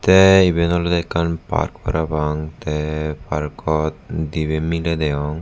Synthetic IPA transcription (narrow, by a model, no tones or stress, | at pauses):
t̪ɛibenɔld̪ɛkʰːanpa̰ɾkpɔ̰ɾabaŋt̪ɛpaɾkɔt̪d̪ibemiled̪eɔŋ